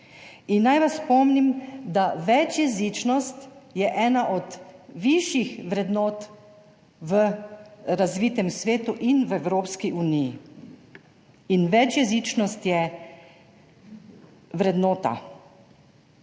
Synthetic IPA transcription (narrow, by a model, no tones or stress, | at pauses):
inːajʋasːpɔmnimd̪aʋɛt͡ʃjɛzit͡ʃnɔst̪jɛʔɛːnaʔɔd̪ʋiʃjixʋɾɛd̪nɔːt̪ | ʋə | ɾazʋit̪ɛmsʋeːt̪uʔinʋɛwɾoːpskiʔuːnijḭ | inʋɛt͡ʃjɛzit͡ʃnɔst̪jɛ | ʋɾɛd̪nɔːt̪a̰